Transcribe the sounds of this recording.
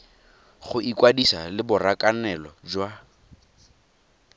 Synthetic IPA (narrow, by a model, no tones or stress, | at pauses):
χʊʔikwadisalɪbʊrakʼanɛlɔd͡ʒwa